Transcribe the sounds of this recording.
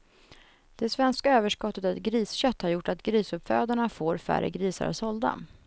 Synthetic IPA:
d̪̥ɛsvɛnskaøːvəʂkɔt̪ːət̪aɛt̪̚ɡɾiːsɕœt̪ːhaɾjʊʈːat̪ɡɾiːsɵpføːd̪aɳafoːɾfæ̰ɾːə̰ɡɾiːsa̰ɾa̰sɔld̪a̰

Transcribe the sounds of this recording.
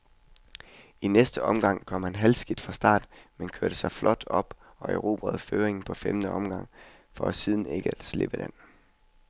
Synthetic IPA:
inesd̥əɒ̽mɡ̥ɑ̈ŋ̰kʰɒ̽m̰hænɦælsɡ̥id̥fʁɑ̈sd̥ɑ̰̈ːd̥menkʰøɐɾ̥əsɑ̈ɪflʔɒ̽d̥ɒ̽b̥ | ɒ̽eʊʁo̝̰ːb̥ʁɛð̞̩ˠføːʁeŋn̩pʰɒ̽femd̥əɒ̽mɡ̥ɑ̈ŋ̰ | fɒ̽æsið̞ˠn̩e̝ɡ̥əæ̥sle̝b̥əd̥en

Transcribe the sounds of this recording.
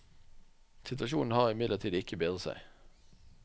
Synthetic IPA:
sɪt̪ʋɑʃuːnn̩hɑːʁɪmɪd̪ləʁt̪ʰiːd̪ɪkəbeːd̪ʁəsæ̰ɪ

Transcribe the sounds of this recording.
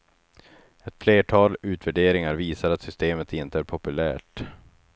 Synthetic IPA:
ɛt̪fleːʈʰɑːlʉ̟ːt̪væɖeːɾɪŋaɾviːsaɾat̪sʏst̪eːmət̪ʰɪnt̪əæɾpʰɔpɵlæ̰ːʈ

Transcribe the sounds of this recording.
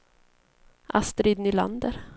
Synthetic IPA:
ʔa̰st̪ɾid̪nʏla̰nd̪əɾ

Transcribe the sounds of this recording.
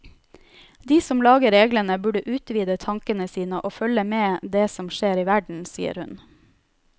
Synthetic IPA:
d̪iːsɔmlɑːɡəɾeːɡlənəbʉɖəʔʉːt̪ʋiːd̪ət̪ʰɑŋkənəsiːnəʔoːfœləmeːd̪eːsɔmʃeːɾiːʋæɖɳ̩sḭːə̰ɾhʉn

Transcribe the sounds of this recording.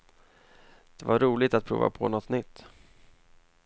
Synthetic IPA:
d̪̥ɛvaɾːuːlɪt̪at̪̚pʰɾṵːva̰pʰɔ̰nɔt̪ːnʏt̪ː

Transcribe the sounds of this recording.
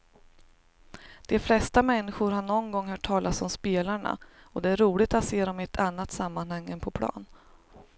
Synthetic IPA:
d̪̥ɛflɛst̪amɛnːɪɧʊɾɦaɳɔnɡɔŋːɦœːʈʰːɑːlʔasɔmspeːlaɳa̰ɔd̪ɛæɾuːlɪt̪at̪seːɾɔmɪɛt̪ʰanːat̪samːanhaŋːənpʰɔpʰlɑ̰ːn

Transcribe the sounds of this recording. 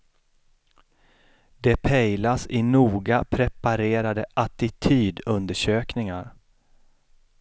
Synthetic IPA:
d̪ɛpʰɛjlasɪnuːɡapʰɾɛpaɾeːɾad̪əʔat̪ɪt̪ʰyːd̪ɵnd̪əʂøːknɪŋaɾ

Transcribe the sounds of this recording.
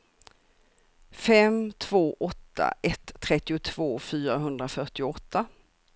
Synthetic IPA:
fɛmt̪ʰv̥oːʔɔt̪ʰːa̰ʔɛt̪ʰːɾɛt̪ːɪʊt̪ʰv̥oːfyːɾaɦɵnd̪ɾafœʈɪɔt̪ʰːa

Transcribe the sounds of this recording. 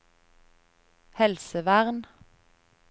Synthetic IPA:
hɛlsəʋæʁn

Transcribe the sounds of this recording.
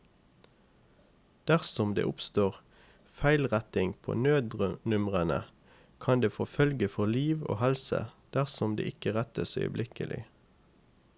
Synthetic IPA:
d̪̥æʁsɔmd̪ḛːʔʊpst̪oːʁ | fæɪlʁæt̪ɪŋpʰo̰ːnøːd̪ʁnʉmʁənə̰ | kʰɑnd̪eːfɔfœlɡəfɔʁliːʋo̰ːhɛlsə̰d̪̥æʁsɔmd̪ḛːʔɪkəʁæt̪əsœ̰ʏə̰blɪkə̰lʔɪ̰

